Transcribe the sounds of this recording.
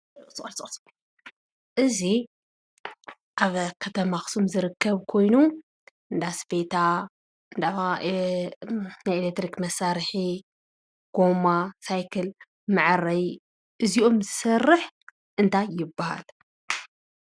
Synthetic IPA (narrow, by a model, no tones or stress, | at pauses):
sɨxʼlsʼls | ʔɨzi | ʔaβkʰɐt̪ʰɐmaxsumzɨɾɨkʰːɐβkʰo̞jnu | ɨnd̪asbet̪ʰa | ɨnd̪a | najelek̚t̪ɾikmɐsaɾħi | ɡ̥o̞masajkʰɐl | mɨʕaɾɐj | ʔɨzio̞mzɨsɐrːɨħ | ʔɨnt̪ʰajːɪbːaha̰l